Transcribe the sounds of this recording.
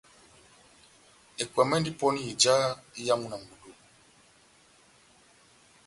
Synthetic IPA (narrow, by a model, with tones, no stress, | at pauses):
ɛ˨kwa˨mɛ˦ndi˦pɔ˦ni˦i˨d͡ʒa˦i˦ja˦mu˦˨na˨mbu˨du˨